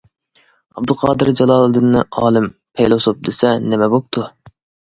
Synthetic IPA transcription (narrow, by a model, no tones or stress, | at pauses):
ɑ̰b̚d̪ɨqʰɑːd̪ɨɾd͡ʒɑlˠɑːlˠɨd̪ɨnːɨʔɑːlˠɨmpʰejlˠosop̚d̪ɪsɛnɪmɛbop̚t̪ʰu